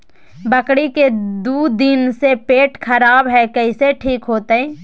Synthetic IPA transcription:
bəkɽiked̪uːd̪ɪnsepeːʈkʰəɾaːbɦɛkɐɪseʈʰiːkɦoːt̪eɛː

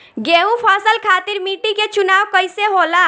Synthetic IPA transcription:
ɡeːũpʰaːsəlkʰaːt̪ɪɾmiːʈiket͡ʃʊnaːwkəɪseɦoːlaː

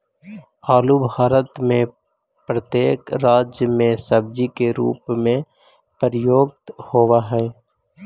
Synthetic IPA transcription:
aːlubʱaːɾət̪mẽ | pɾət̪jeːkɾaːd͡ʒjəmẽsəb̚d͡ʒikeɾṵːpmẽ | pəɾjoːɡ̚t̪hoːwaɦɛː

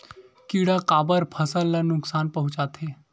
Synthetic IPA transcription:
kiːɽakaːbəɾpʰɐsəlːanʊksaːnpɐɦʊ̃t͡ʃaːt̪ʰɦeː

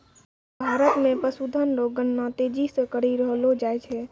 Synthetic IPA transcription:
bʱaɾət̪mẽpəsud̪ʱənɾoɡənːat̪ed͡ʒisə̃kəɽiɾəɦlod͡ʒajt͡ʃʰɛ

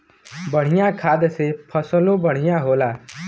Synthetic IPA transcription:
bʌɽ̤ijãkʰad̪sepʰʌsəlobʌɽ̤ijãɦola

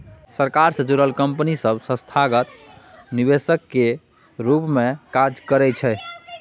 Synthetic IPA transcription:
səɾkaɾsəd͡ʒuɾəlkəmpnisəbsə̃st̪ʰaɡət̪̚ | nibesəkːe | ɾupmekad͡ʒkəɾɛt͡ʃʰɛ

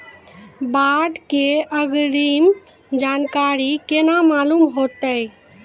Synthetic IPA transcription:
baɖkeəɡɾim | d͡ʒankaɾikenamalumɦot̪əj

